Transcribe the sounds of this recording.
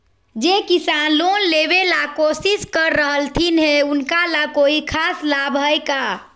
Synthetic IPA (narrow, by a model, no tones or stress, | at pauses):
d͡ʒekisanlonlebelakosiskəɾːəɦəlt̪ʰinɦeʊnkalakoːikʰaslabɦəjka